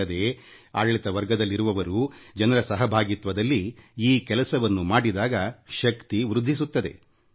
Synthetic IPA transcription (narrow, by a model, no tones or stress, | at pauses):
ɐd̪e | aːɡɐɭit̪ɐʋɐɾɡɐd̪ɐlːiɾuʋɐʋɐɾud͡ʒɐnɐɾɐsɐɦɐbʱaːɡit̪ʋɐd̪ɐlːiiːkɛlɐsɐʋɐnːumaːɽid̪aːɡɐʃɐkt̪iʋɾud̪ʱːisut̪ːɐd̪e̞̰